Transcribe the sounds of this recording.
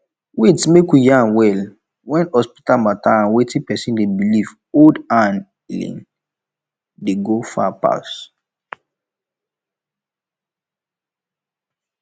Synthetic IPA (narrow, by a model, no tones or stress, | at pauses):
wetmekwijãnwɛl | wɛ̃nɔspi̥talmataãnwetĩpɛsĩndebiliv | odãn | ilḭ̃n | deɡofapa̰s